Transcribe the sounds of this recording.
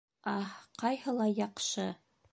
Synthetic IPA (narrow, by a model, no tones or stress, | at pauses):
ɑqɑjhɤ̆lˠɑjɑqʃɤ